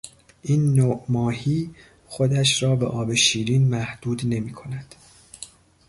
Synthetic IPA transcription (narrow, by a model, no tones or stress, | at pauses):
ʔiːnːoʔmɒːhiː | xo̞d̪æʃɾɒːbḛʔɒːbe̞ʃiːɾiːnmæhd̪̥uːd̪ne̞miːkʰo̞næd̪̥